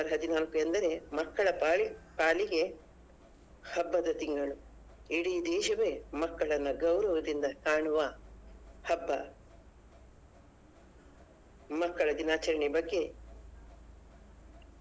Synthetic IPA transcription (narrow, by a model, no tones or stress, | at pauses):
ɐɾɦɐd̪inaːlkuend̪ɐɾe̞mɐkːɐɭɐpaːliɡe̞ | hɐbːɐd̪ɐt̪iŋɡɐɭu | iɽid̪ɛːʃɐʋe̞mɐkːɐɭɐnːuɡɐwɾɐʋɐd̪ind̪ɐkaːɳuʋɐ | hɐbːɐ | mɐkːɐɭɐd͡ʒ̪inaːt͡ʃɐɾɐɳibɐɡːe̞